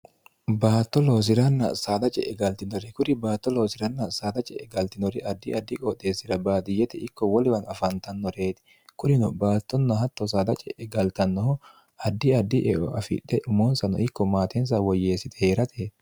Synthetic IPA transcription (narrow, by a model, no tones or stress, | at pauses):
baːt̪ːɔlo̞ːs̬ɪɾɐnːɐsaːd̪ɐt͡ʃʼɛʔɛɡɐlt̪ɪnɔɾɪkʊɾɪbaːt̪ːɔlo̞ːsɪɾɐnːɐsaːd̪ɐt͡ʃʼɛʔɛɡɐlt̪ɪnɔɾɪʔɐd̪ːɪɐd̪ːɪkʼɔt̪ːeːsɪɾɐbaːd̪ɪjːɛt̪ɛɪkːɔwɔlɪwɐnɐfɐnt̪ɐnːɔɾeːt̪ɪ̥ | kʊnɪnʊbaːt̪ːɔnːɐɦɐt̪ːɔs̬aːd̪ɐt͡ʃʼɛʔɛɡɐlt̪ɐnːɔhɔ | ɐd̪ːɪɐd̪ːɪʔɛʔɔɐfɪ̰ᶑɛʔʊmoːnsɐnɔ̰ɪkːɔmaːt̪ɛns̬awɔjːeːsːɪt̪ɛ̥heːɾɐt̪ʰeː